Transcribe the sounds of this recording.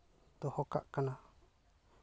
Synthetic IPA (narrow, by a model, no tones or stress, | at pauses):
t̪ɔhɔka̰ʔkana